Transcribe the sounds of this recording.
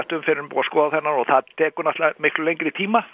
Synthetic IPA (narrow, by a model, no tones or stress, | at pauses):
ht̪ʏmfɪɾɪʏmpṵːɣaskɔːðaθɛnːaɾɔɣθaðt̪ʰɛːkʏɾnaht̪lamɪhklʏlejŋkɾɪit̪ʰiːma